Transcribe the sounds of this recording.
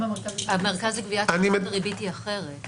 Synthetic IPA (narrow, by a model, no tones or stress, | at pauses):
ameʁkazikviaanimʁibitiaχeʁet